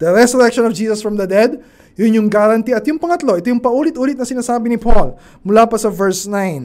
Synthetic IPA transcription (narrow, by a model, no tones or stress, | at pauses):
d̪̥ɐɾɛsʊɾɛkʃonɔfd͡ʒiːsɐsfɹɐmd̪ɐd̪ɛd̪ | jʊnjʊŋɡaɾɐnt̪iɐt̪jʊŋpɐŋɐt̪lo̞ʔɛt̪ojʊŋpɐʔuːlɪt̪ʔuːlɪt̪̚nɐsɪnaːsaːbɪnɪpʰol | mʊlaːpɐsɐvɛɹsnajn